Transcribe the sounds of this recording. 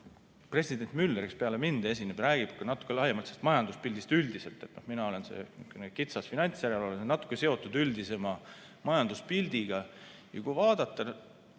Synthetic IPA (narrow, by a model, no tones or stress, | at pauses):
pre̞sʲid̥̪e̞nt̪mylːeɾkespe̞ɑle̞mind̪̥ee̞s̬ʲinːeb̥ɾæːɡ̥ib̥kɑnɑt̪ːu̥kːˑe̞lɑhjemɑlt̪sest̪mɑjɑnd̪uspilʲd̪ist̪yld̪̥ise̞lt̪ːˑe̞t̪ːˑno̞hminɑo̞le̞nsḛykːenekit̪sɑsfinɑnʲt̪sjæɾelo̞lensenɑt̪ːˑu̥kːˑe̞se̞o̞t̪ːˑud̪yld̪ise̞mɑ | mɑjɑnd̪uspild̪̥iɡ̥ɑ | jɑ̰kujvɑːd̪̥ɑt̪ːˑɑ